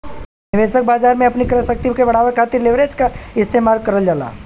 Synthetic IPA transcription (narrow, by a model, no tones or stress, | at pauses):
nɪʋeːʃək̚baːd͡ʒaːɾmẽɐpnikɾəsək̚t̪ikebɐɽ̤aːʋekʰaːt̪ɪɾlɪʋɾeːd͡ʒkaɪst̪eːmaːlkɐɾəld͡ʒaːla̰ː